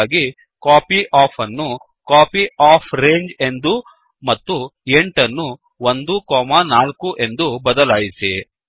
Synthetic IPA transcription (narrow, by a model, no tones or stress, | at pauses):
ɡi | kaːpiʔaːpʰɐnːu | kaːpiaːpʰɾeːɲd͡ʒe̞nd̪u | mɐt̪ːueɳʈɐnːu | ond̪ukɔːmɐnaːlkuʔe̞nd̪ubɐd̪ɐlaːjisḭ